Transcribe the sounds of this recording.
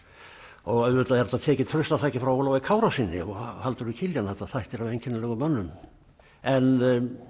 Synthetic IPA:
ɔɣɛʏt̪aðɛɾt̪at̪ʰɛːcɪt̪ʰɾʏst̪aθaːjcɪfɾawowlawvɪkʰaːwɾasɪnːɪ̰ɔɣhalt̪ʏɾʏcʰɪljanθɛht̪ːaθajht̪ɛɾavejɲcʰɪnːalɛɣʏmanːʏm | ɛn

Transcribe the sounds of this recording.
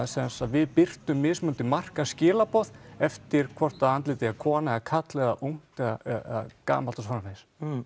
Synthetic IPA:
sɛnsaðvɪðpɪr̥t̪ʏmːɪːsmʏnt̪ɪmar̥kascɪːlapɔθɛft̪ɪɾ̥kʰvɔr̥t̪aðant̪lɪːt̪ɪakʰɔːnaɣakʰat̪lɛɣaʔuŋ̥t̪lɛɣaaka̰ːmalt̪ɔsfanaves

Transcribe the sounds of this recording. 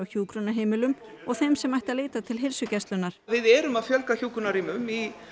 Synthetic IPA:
awçuːkɾʏnːaɦeːjmɪlʏm | ɔɣθejmsɛmajht̪aðleːjt̪at̪ʰɪlɦelsʏcɛst̪lʏnaɾ̥vɪðɛːɾʏmaðfjœlkaçuːkʏnaɾiːmʏmi

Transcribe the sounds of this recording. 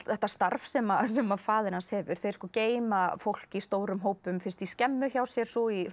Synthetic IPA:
θɛht̪ːast̪aɾfsɛmasɛmafaːðɪɾnanshɛːvʏɾ̥θejɾskɔːceːjmafowl̥cist̪oːwɾʏmɦoːwpʏmfɪn̥st̪iscɛmːʏçawsjɛɾ̥sɔi

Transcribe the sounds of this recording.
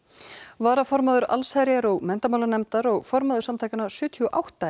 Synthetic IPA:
vaːɾafɔɾmaðʏɾa̰lsajɾɪaɾɔɣmɛn̥t̪amawlanɛmt̪aɾɔɣfɔɾmaðʏɾsamt̪ʰajcanasʏːt̪ʰiɔʔawht̪a

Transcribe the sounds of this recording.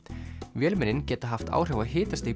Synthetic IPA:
vjɛːlmɛnɪncɛːt̪aɦaft̪a̰ːwr̥jɔwvaðɦɪːt̪ast̪e

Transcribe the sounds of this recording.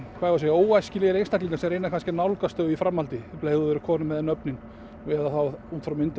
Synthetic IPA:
kʰvaːvas̬eːjaoːwajscɪlɪɛɾejnst̪ʰahkliŋkasɛmɛɾejnakʰanscɪnawlkast̪œːɣifɾamːhalt̪ɪpleːjɣðʏðʏɾʏkʰɔːnʏmːɛðɛnœpnɪn | ɛðaθawhunt̪fɾawmɪnt̪

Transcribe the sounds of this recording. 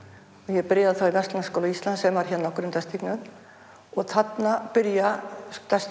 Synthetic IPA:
ɔɣjɛpɪɾjaðθawivɛst̪lanskowlaist̪lant̪sɛmaɾ̥çɛt̪nɔhkʏɾɪmt̪ɛst̪ʰiknʏm | ɔɣθat̪napɪɾjat̪ɛst̪

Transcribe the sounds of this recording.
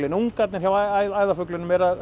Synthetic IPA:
lɪnuŋkat̪nɪɾ̥çawajaːjðafœklɪnʏmɛɾað

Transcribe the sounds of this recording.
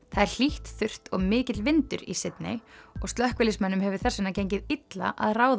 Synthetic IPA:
θaðɛɾ̥l̥iht̪θʏr̥t̪ɔɣmɪːcɪt̪lvɪnt̪ʏ̰ɾisɪt̪nɪ̰ɔɣst̪lœhkvɪlɪsmɛnːʏmɦɛvʏ̥θɛsːɪnːacejɲcɪðɪt̪la̰ʔaðraːwð

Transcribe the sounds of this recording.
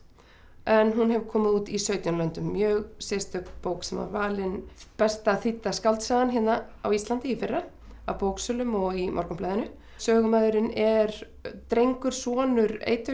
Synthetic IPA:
ʔɛnɦunɦɛvkʰɔːmɪuːt̪isœɥt̪jɔnlœnt̪ʏmːjœːɣsɛst̪ʏpowksɛma̰vaːlɪnpɛst̪aθit̪ːaskalt̪saːðanɦɪnna | awist̪lant̪ɪifɪrːa | a̰wpowksœːlʏmɔɣimʔɔ̰ɾkʏmplaːðɪnʏ | sœːɣʏmaːðʏɾɪnɛɾ | t̪ɾejŋkʏɾ̥sɔːnʏɾḛːjt̪ʏ

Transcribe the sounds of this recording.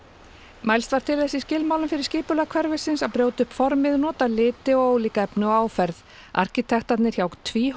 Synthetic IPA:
majlst̪vaɾ̥t̪ʰɪlθɛsːiscɪlmawlʏmfɪɾɪ̥ɾscɪːpʏlakʰvɛɾvɪsɪnsaðpɾjoːwt̪ʏhpfɔɾmɪðnɔːt̪alɪːt̪ɪɔwliːkaɛpnʏɔaːwfɛɾð | ʔa̰ɾ̥cɪt̪ʰɛxt̪at̪nɪɾ̥çawkt̪ʰviː

